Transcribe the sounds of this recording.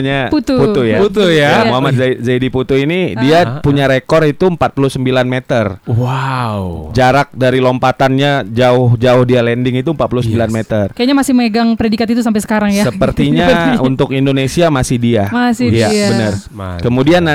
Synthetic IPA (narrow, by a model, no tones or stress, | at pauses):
ɲaput̪upuujaut̪ujaoamat̪zaidiput̪uinidiapuɲaɾekɔrit̪umpat̪̚pulusəmbilanmet̪ərwawd͡ʒaɾak̚daɾilompat̪anɲad͡ʒaʊhd͡ʒaʊhdialɛndɪŋit̪umpat̪̚pulusəmbilanmet̪ərkajaɲamasɪhməŋəɡaŋpɾedikat̪it̪̬usampajsə̥kaɾaŋjasəpərt̪iɲaunt̪ʊkindonesiamasɪhdiamasɪjabənər | kəmudianːa